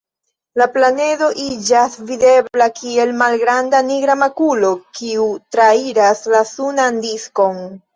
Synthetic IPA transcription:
laplane̞do̞ʔid͡ʒasvide̞blakʰie̞lmalɡɾandaniɡɾamakulo̞kiutɾaiɾaslasunandisko̞n

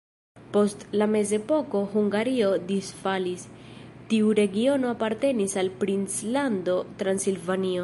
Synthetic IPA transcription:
po̞stlame̞ze̞po̞ko̞ɦuŋɡaɾio̞disfalis | tiuɾe̞ɡio̞no̞apaɾte̞nisalpɾint͡slando̞tɾansilvanio

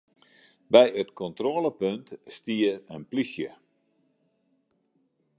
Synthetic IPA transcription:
bɛjətkɔntroːləpøntstiərənplisjə

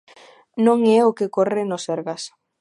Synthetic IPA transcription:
nõŋɛʊkɪkorɪnʊsɛɾɣas

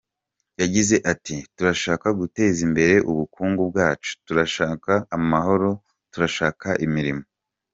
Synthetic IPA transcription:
jaɟize̞ʔatituɾaʃaːkaɡute̞ːzimbe̞ɾe̞ʔuβukuːŋɡubɡaːt͡ʃu̥tuɾaʃaːkaːmaɦo̞ɾo̞ | tuɾaʃaːkaʔimiɾimo

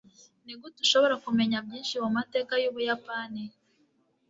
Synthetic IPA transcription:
niɡutuʃoβo̞ɾakume̞ɲabjiːnʃimumate̞ːkajuːβujapaːni

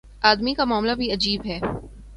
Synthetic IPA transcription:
aːd̪mikamaːmlabʱiɐd͡ʒiːbɦɛː

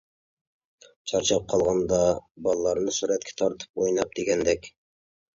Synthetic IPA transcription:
t͡ʃʰɑɾt͡ʃɑp̚qʰɑlˠʁɑnd̪ɑbɑlˠɑlˠɑɾnɤsuɾæt̪̚kʰʲæ̥t̪ʰɑɾt̪ə̥p̚ojnɑp̚d̪eɡʲænd̪ɛkʲ

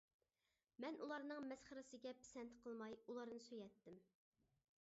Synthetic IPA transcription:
mɛnʔulˠɑɾnɨŋmɛsχəɾɨsɨɡʲɛpʰɪ̥sɛnt̪qʰəlˠmɑjulˠɑɾnɨsøjɛt̪ːɪm

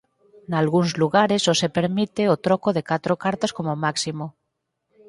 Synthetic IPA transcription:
nalɣunzluɣaɾesosepeɾmit̪eot̪ɾokoðekat̪ɾokaɾt̪askomomaksimo

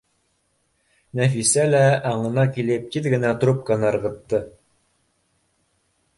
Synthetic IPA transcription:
næfisælæɑɴɤ̆nɑkilɘp̚t̪iðɡɘ̆næt̪ɾup̚kɑnɤɤ̆ɾʁɤ̆t̪ːɤ

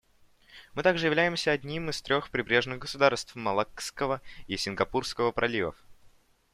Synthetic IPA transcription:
mɨt̪aɡʐɨjɪvlʲæjɪmsʲəɐdʲnʲimɨst̪ɾʲo̞xpɾʲɪbɾʲe̞ʐnɨɣɡəsʊd̪arst̪fmɐlˠakskəvəisʲɪnɡɐpurskəvəpɾʔɐlʲivə̰f

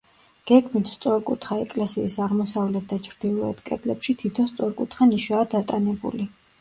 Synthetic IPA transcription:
ɡ̥ɛɡmit̪ʰst̪sʼɔɾkʼut̪ʰχaɛkʼlɛsiːsaʁmɔsavlɛt̪̚ʰd̪at͡ʃʰɾd̪ilˠɔɛ̰t̪ʰkʼɛt̪ʼlɛpʃit̪ʰit̪ʰɔnst̪sʼɔɾkʼut̪ʰχaniʃaːd̪at̪ʼanɛbṵli

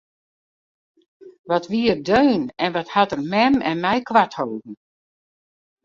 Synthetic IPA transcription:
ʋɔtʋiərdøːnɛnʋɔthatərmɛmɛ̰nmɛjkʋathowdn̩

